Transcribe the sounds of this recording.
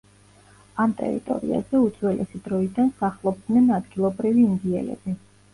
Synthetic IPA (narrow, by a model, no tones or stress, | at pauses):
amt̪ʼɛ̰ɾḭt̪ʼɔ̰ɾḭa̰zɛud̪zwɛlʔɛsid̪ɾɔid̪ansaχlˠɔb̚d̪nɛnad̪ɡilˠɔbɾiviːnd̪iɛ̰lɛ̰bi